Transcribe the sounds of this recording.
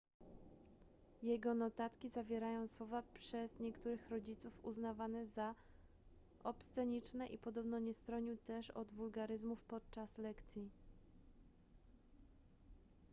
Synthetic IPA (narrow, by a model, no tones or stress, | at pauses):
jɛɡɔnɔt̪at̪kʲizavʲjɛɾajɔ̃w̃swɔvapʂɛzɲɛkt̪uɾɘxɾɔd͡ʑit̪sufuznavanɛza | ɔpst̪sɛɲit͡ʂnɛʔipɔd̪ɔbnɔɲɛst̪ɾɔɲiwt̪ɛʂɔd̪vulɡaɾɘzmufpɔt̪̚t͡ʂaslɛkt̪sʲji